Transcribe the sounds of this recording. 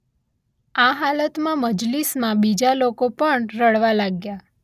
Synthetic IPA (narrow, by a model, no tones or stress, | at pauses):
aɦalət̪mãməd͡ʒlismãbid͡ʒalokopəɳɾəɭʋalaɡja